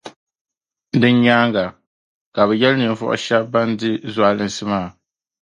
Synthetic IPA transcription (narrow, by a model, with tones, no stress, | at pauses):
dɨ˦ɲɲaː˦ŋɡa˨ | ka˨bɛ˨jɛ˦lnɨ˨ɱ˨vɔ̰˦ʔʊ̰˦ʃɛ˦bba˦ndɨ˦za˨lɨ˨n˦sɨ˦maː˦˨